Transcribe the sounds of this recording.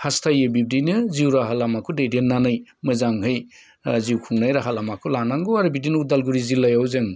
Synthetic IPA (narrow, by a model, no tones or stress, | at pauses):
hastʰajɯbib̚dinɯziwɾaɦalamakʰudejdenːanɯjmɯzaŋɦɯj | ziwkʰuŋnajɾaɦalamakʰulanaŋɡoaɾɯbidinudalɡuɾizilːajawzɯŋ